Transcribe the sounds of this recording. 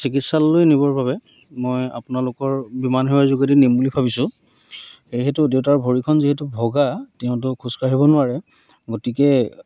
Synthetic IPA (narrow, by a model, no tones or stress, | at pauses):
sik̬itsalːojnibɔɹbabɛ | moja̰pʊnalʊkɔɹbimanɦɛwazuɡadinemulipʰabisʊ̃ | xejɦetʊdeʊtaɹbʱoɹikʰɔnziɦetubʱɔɡatɛʊ̃t̬ʊkʰuskaɦibɔnʊaɹɛ | ɡotikɛ